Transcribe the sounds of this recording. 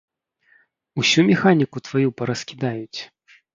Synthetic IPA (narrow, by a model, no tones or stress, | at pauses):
usʲumʲɛxanʲikut̪vajupɐɾɐskʲid̪ajut͡sʲ